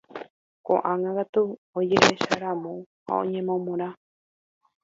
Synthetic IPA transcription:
kõ̰ʔãŋãkat̪uod͡ʒeɾeʃaɾãmõ | ha̰õ̰ɲẽ̞mõmõɾ̃a

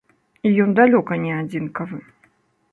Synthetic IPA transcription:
ijɔnd̪alʲɔkɐnʲɛad͡zʲinkɐvɨ

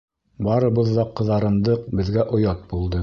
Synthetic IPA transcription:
bɑɾɤ̆βɤðːɑqːɤ̆ðɑɾɤ̆nd̪ɤqbɘ̆ðɡæʔŏjɑt̪̚bulˠd̪ɤ

